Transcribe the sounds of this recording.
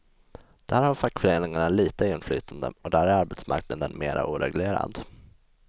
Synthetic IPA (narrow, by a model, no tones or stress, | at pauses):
d̪̥hæːɾhaɾfakːfœɾeːnɪŋaɳaliːt̪əɪnflyːt̪ʰand̪ə̰ɔd̪æɾæɾaɾbɛt̪sma̰ɾknad̪ənmeːɾʔa̰ʔuːɾɛ̰ɡleːɾa̰d̪